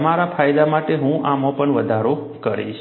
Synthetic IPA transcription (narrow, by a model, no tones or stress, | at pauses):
əmaɾafʰajd̪amaʈeɦũʔamopəɳʋəd̪ʱaɾo | kəɾḭʃ